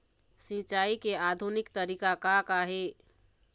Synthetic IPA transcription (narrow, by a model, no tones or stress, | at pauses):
sɪt͡ʃaːikeaːd̪ʱunɪkt̪əɾiːkakakaɦe